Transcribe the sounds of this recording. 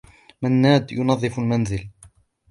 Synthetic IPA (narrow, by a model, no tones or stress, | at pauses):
manːaːd̪jʊnɑðˤːɨfalmanzɪl